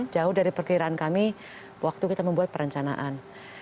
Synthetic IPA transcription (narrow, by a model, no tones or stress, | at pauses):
d͡ʒaʊhdaɾipərkiɾaankami | wak̚t̪ukit̪aməmbuat̪̚pəɾəɲt͡ʃana̰ʔan